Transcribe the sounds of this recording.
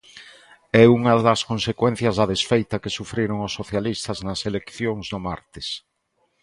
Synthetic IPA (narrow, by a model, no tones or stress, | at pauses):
ɛuŋɐðɐskonsekwɛn̟θjɐzðɐðesfejt̪ɐkɪsufɾiɾoŋʊsːoθjalist̪ɐznɐselekθjoŋzðʊma̰ɾt̪ɪs